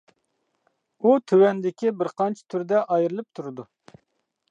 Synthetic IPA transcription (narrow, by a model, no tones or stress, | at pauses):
ut̪ʰøwɛnd̪ɪkʲibɪɾqɑnt͡ʃʰi̥t̪ʰyɾd̪ɛʔɑjɾɨlˠɨp̚t̪ʰuɾɨd̪u